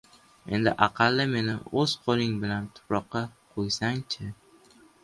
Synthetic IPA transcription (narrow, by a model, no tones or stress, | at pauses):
e̞̰nd̪ɪ̰ʔɑqʰɑlːɪme̞nɪɵz̥qʰolˠɪŋbɪlant̪ʰʊ̥pɾɒqːɑqʰojsaŋt͡ʃʰɪ